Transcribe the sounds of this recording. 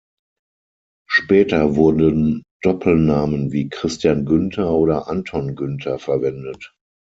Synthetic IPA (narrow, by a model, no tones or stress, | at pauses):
ʃpɛːtɐvʊɐdənd̥ɔpʰl̩naːmənviːkʁ̥ɪstjaːnɡʏntʰɐʔoːɾɐʔantʰɔnɡʏntʰɐfɛɐvɛndət